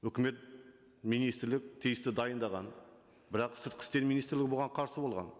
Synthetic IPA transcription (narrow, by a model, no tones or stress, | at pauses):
wɵkʲɪme̞t̪̚ | mijnijst̪ɾlɪk̚ʲt̪ʰijɪst̪ɪd̪ɑjənd̪ɑʁɑn | bɪɾɑqsʏɾt̪qʰɪ̥st̪e̞ɾminijst̪ɾlɪɡʲɪboʁɑɴqʰɑɾsəbo̞lˠʁɑ̰n